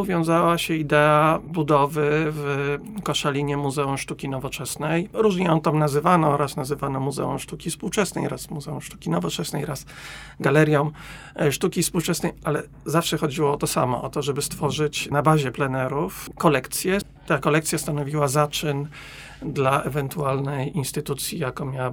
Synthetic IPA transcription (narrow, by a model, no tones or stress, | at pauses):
uvʲjɔ̃w̃zawaɕɛid̪ɛabud̪ɔvɘv | kɔʂalʲiɲɛmuzɛumʂt̪ukʲinɔvɔt͡ʂɛsnɛjɾuʐɲɛɔnt̪amnazɘvanɔɔɾasnazɘvanɔmuzɛ̰ṵmʂt̪ukʲifspuwt͡ʂɛsnɛ̰jɾʔasmuzɛumʂt̪u̥kʲinɔvɔt͡ʂɛsnɛ̰jɾas | ɡalɛɾʲjɔ̃w̃ | ʂt̪ukʲifspuwt͡ʂɛsnɛjʔalɛ | zafʂɛxɔd͡ʑiwɔɔt̪ɔsa̰mɔ̰ʔɔt̪ɔʐɛbɘst̪fɔʐɘt͡ɕnabaʑɛplɛnɛɾufkɔlɛkt̪sʲjɛ | t̪akɔlɛkt̪sʲjast̪anɔvʲiwazat͡ʂɘn | d̪laʔɛvɛnt̪ualnɛjinst̪ɘt̪ut̪sʲjijakɔ̃mʲjawa